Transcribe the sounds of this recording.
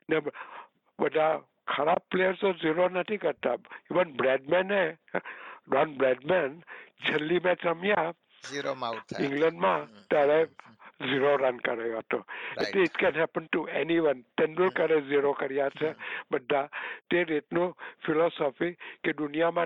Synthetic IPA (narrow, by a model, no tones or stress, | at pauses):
nɛ | bəd̪ʱa | kʰəɾab̚plejəɾsoziɾonət̪ʰikəɾt̪aiʋənbɾɛɖmɛ̃nːɛ | ɖɔnbɾɛɖmɛ̃nt͡ʃʰəlːimɛ̃t͡ʃəmja | ɪ̃ŋɡlə̃ɳɖmãt̪aɽeziɾoɾənkəɾajat̪oeteɪtkɛ̃nɦɛpənʈuɛniʋənt̪ɛ̃nɖəlkəɾeziɾokəɾijat͡ʃʰɛbəd̪ʱːat̪eɾetnufʰilɔsɔfikedʊnijamã